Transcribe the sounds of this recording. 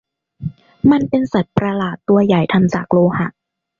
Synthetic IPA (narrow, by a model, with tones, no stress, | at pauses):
ma˧˥npe˧nsa˨˩t̪̚pɾa˧laː˨˩t̪ːu˧ɐja˨˩jt̪ʰa˧nt͡ɕaː˨˩k̚loː˧ha˨˩ʔ